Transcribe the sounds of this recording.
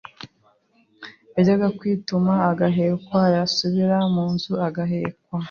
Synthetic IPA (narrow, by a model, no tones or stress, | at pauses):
eɟaɡakwiːtumaːɡaɦe̞ːkwajasuβiɾamuːnzuaɡaɦeːkwa